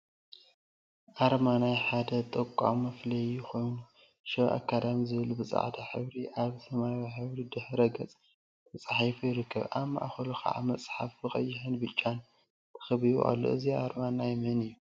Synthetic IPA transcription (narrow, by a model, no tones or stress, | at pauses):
ʔaɾmanajħad̪ɐt̪ʼɐkʷʼːa̰mːɐflɐjːixʰo̞jnu | ʃɐβʔa̰kʰːad̪amizɨβɨlubɨt͡sʼa̰ʕd̪aħɨβɾiʔaβsɐmajwiħɨβɾid̪ɨħɾɐɡɐt͡sʼʰ | ɨt͡sʼaħifujɪɾɨkʰːɐβʔamːa̰ʔxɐluxɐ̰ʔa̰mɐsʼħafbɨxʼɐ̰jːɪħɨnbɨt͡ʃʼːan | t̪ʰɐ̥xɨβijṵʔa̰lːo̰ʔɨziaɾmanajmɐnɨjːu